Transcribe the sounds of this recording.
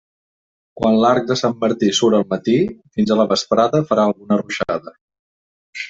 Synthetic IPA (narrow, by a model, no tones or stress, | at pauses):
kwanlaɾk̚d̪əsamːəɾt̪isuɾəlˠmət̪ifinzələβəspɾaðəfəɾaəlˠɣunəruʃaðə